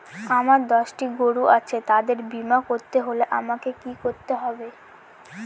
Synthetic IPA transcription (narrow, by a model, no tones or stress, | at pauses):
amaɾd̪ɔʃʈiɡoɽuʔat͡ɕʰet̪ad̪eɾbimakoɾt̪eɦoleʔamakekikoɾt̪eɦɔbe